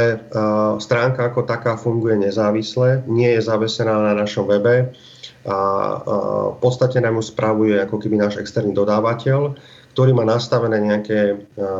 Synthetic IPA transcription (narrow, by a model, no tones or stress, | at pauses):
ɛst̪ɾaːŋkaːkɔt̪akaːfuŋɡujɛɲɛzaːʋislɛɲɪɛjɛzaʋɛsɛnaːnanaʃɔmʋɛbɛ | pɔt̪st̪acɛnamjuspɾʔaʋujɛakɔkɛbinaːʒɛkst̪ɛɾniːd̪ɔd̪aːʋacɛl | kt̪ɔɾiːmaːnast̪aʋɛnɛːɲɛakɛː